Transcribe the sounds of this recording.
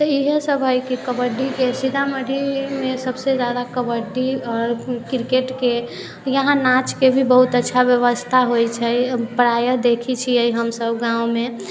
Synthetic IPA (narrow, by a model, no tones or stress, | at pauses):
t̪əiɦesəbʱəjkekəbəɾɖikesid̪ʱaməd̪ʱimẽsəbsezjad̪akəbəɖiɔɾkiɾkeʈke | jəɦãnat͡ʃkebʱibəɦut̪ətːʃʰabjəʋəst̪ʰaɦojt͡ʃʰɛpəɾajəd̪ekʰit͡ʃʰiəiɦəmsəbɡãũme